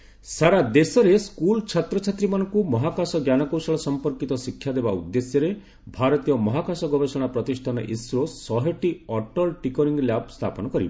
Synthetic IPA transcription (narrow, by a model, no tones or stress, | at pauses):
saɾad̪esɔɾeskult͡ʃʰat̪ɾɔt͡ʃʰat̪ɾimanɔ̃ŋkumɔɦakasɔɡjanɔkɔwsaɭɔsɔmpɔɾkit̪ɔsikʰːjad̪ebaṵd̪ːesjɔɾe | bʱaɾɔt̪ijɔmɔɦakasɔɡɔbesɔɽ̃apɾɔt̪isʈʰanɔ̰ʔisɾosɔɦeʈiɔʈɔlʈikɔɾiŋɡljab̚ʱst̪ʰapɔnɔkɔɾḭb